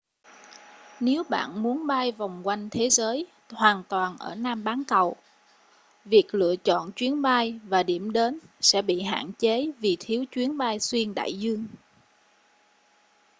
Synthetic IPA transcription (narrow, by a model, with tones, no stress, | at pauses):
ne˨˦wɓa̰ː˧˨nmu˨˦ənɓaː˧jva˨˩wŋ͡mkwa˧jŋ̟t̪ʰe˨˦zəː˨˦j | hwaː˨˩nt̪waː˨˩nʔəː˧˩naː˧mɓaː˨˦nkə˨˩w | vi˨˩ək̚lɨ̰˧˨ət͡ɕɔ̰˧˨nt͡ɕwi˨˦ənɓaː˧jvaː˨˩ɗi˧˩əmɗe˨˦nsɛ̰˧˥ɓḭ˧˨ɦa̰ː˧˨nt͡ɕe˨˦vi˨˩t̪ʰi˨˦əwt͡ɕwi˨˦ənɓaː˧jswi˧ənɗa̰ː˧˨jzɨ˧əŋ